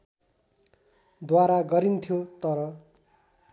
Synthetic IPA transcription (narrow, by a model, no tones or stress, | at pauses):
d̪waɾaɡʌɾint̪ʰjot̪ʌɾʌ